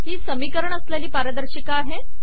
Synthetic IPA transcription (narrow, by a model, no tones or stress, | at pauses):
ɦiːsəmiːkəɾəɳəsljaliːpaɾəd̪əɾɕikaːɦe